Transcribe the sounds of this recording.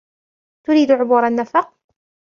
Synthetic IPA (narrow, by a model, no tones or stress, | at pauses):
t̪ʊɾiːd̪ʕʊbuːɾanːafɑq̚